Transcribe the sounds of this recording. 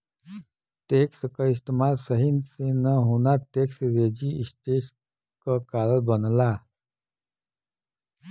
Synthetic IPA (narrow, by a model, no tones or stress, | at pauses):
t̪ekskəis̬t̪emalsəɦinsenəɦonaɾt̪eksɾed͡ʑiisʈ̪es | kəkaləlbənla